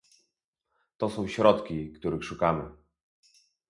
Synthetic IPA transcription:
t̪ɔsɔ̃w̃ɕɾɔt̪kʲikt̪uɾɘxʂukamɘ

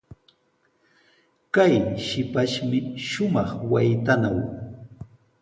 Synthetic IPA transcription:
kajʃɪpaʃmɪʃʊmɑχwajt̪anaw

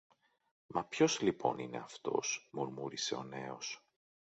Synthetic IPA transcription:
mɐpço̞zlipʰo̞̰nḭne̞̰ɐft̪o̞̰smuɾmuɾise̞o̞ne̞o̞s

